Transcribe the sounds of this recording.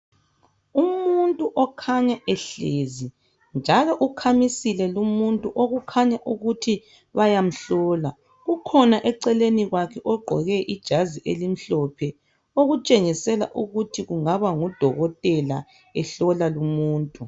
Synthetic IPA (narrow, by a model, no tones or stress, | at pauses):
umuntʼuʔɔkʰaɲaʔɛɬeːzi | nd͡ʒʱalɔʔukʰamisilɛlumuntʼuʔoɣukʰaɲaʔuɣutʰi | βajam̩ɬɔːla | ɣukʰɔnaʔɛǀɛleniɣwakʰɛʔɔɡ͡ǃʱɔ̰ɣɛʔid̥ʒ̥ʱaziʔelim̩ɬɔpʰɛ | oɣut͡ʃʼeŋisɛla̰ʔuɣutʰiɣuŋaβaŋud̥ʱɔɣɔtʼɛla̰ | ɛɬɔlalumuːntʼu